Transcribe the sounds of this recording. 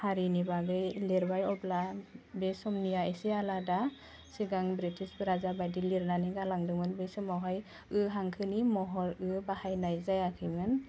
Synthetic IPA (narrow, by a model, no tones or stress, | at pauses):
haɾinibaɡɯjleɾbajɔplabesɔmnijaesealada | siɡaŋbɾitʰispɯɾazabajdiliɾnaniɡalaŋdɯŋmɯnbesɯmaɦɔj | ɯɦaŋkʰɯnimɔɦɔɾɯbahajnajzajakʰɯjmɯn